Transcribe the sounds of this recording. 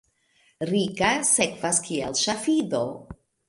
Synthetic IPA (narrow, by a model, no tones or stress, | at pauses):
ɾikasekvaskʰia̰lʃafido